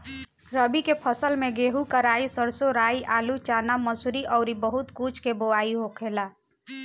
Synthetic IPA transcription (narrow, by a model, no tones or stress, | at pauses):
ɾəbikepʰəsəlmẽɡeːɦukəɾaːisəɾsoɾaːiʔaːlut͡ʃaːnaməsuɾiʔɔːʊɾibəɦʊt̪kut͡ʃʰkeboaːiɦokʰeːlaː